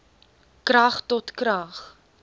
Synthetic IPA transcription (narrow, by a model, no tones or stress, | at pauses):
kɾɐχtɔtkɾɐχ